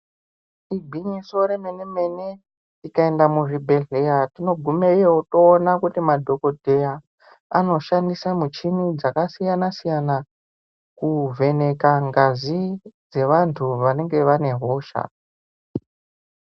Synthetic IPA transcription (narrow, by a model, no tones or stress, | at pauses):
ibʱiɲiso̞ɾeme̞neme̞ne | ikae̞ndamuʐibʱe̞ɮejatino̞ɡʱumeijeuto̞ːnakutimadʱo̞ko̞dʱe̞ja | a̰no̞ʃandisamut͡ʃimid͡zakasijanasijana | kuvʱe̞ne̞kaŋɡazid͡ze̞ʋantʰuʋane̞ŋɡe̞ʋane̞ɦo̞ːʃa̰